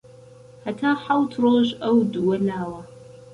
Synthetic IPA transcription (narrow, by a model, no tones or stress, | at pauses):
hɐtʰaːħawtʰroɕʼɐwdɨwɐnaːwɐ